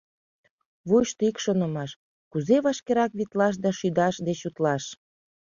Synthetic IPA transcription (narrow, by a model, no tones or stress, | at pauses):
βujʃt̪oikʃonə̆mɑʃ | kuzeβɑʃkeɾɑkβit̪lɑʃ̬d̪ɑʃyd̪ɑʃd̪et͡ɕut̪lɑʃ